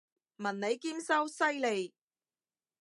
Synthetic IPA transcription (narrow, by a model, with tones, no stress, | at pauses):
mɐ˨˩nne˨˧jkiː˥msɐ˥wsɐ˥jle˨j